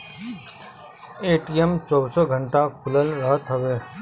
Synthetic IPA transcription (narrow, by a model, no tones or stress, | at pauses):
eːʈijemt͡ʃɔːbsɔɡʱəɳʈakʰʊləlɾəɦət̪ɦəʋeː